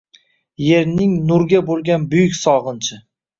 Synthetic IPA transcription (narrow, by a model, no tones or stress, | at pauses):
je̞ɾnɪŋnʊɾɡʲabolˠɡʲanbʊjʊkʲsɒʁɨnt͡ʃʰɪ